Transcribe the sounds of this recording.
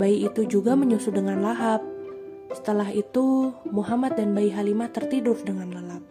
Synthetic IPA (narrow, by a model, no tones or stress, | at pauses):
baiit̪ud͡ʒuɡaməɲusʊdəŋanlaɦap̚ | sə̥t̪əlaɦit̪umuɦamat̪̚danbaiɦalimat̪ərt̪idʊfdəŋanlalap̚